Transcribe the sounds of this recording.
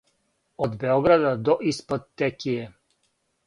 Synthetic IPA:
ɔd̪bɛɔɡɾad̪ad̪ɔʔispɔt̪ːɛkiɛ

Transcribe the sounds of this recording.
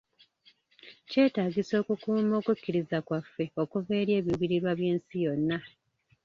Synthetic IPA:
ce̞ːtaːɡiso̞ːkukuːmo̞ːkucːiɾizakwafːe̞o̞kuve̞ːɾje̞ːβjuβiɾiɾwaβje̞ːnsijo̞nːa

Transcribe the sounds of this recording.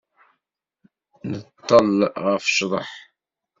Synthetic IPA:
nət̪ˤːɑlʁæfʃðˤə̰ħ

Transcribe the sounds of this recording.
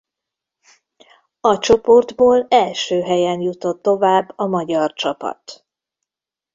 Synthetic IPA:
ɒt͡ʃo̞po̞rd̪boːlɛlʃøːɦɛjɛnjut̪o̞t̪ːo̞vaːbːɒmɒɟɒrt͡ʃɒpɒ̰t̪

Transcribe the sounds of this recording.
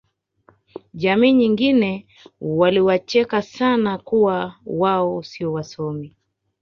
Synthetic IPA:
ʄamiːɲiŋɡinɛ | waliwat͡ʃɛkasanakuwawaɔsiɔwasɔmi

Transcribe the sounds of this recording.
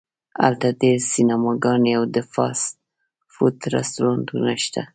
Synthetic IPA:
a̰lt̪ad̪esinamɑɡɑnjawd̪əfɑ̰s | fut̪ɾa̰st̪uɾɑnt̪unaʃt̪a

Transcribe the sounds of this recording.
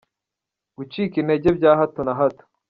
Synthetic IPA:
ɡ̥ut͡ʃiːkineɟebɟaːɦatonaɦatu̥

